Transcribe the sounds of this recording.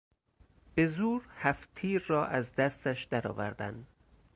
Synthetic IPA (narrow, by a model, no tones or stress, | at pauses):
b̥e̞zuːɾhæft̪ʰiːɾːɒːʔæzd̪æst̪æʃd̪̥æɾɒ̰ːvæ̰ɾd̪æ̰nd̪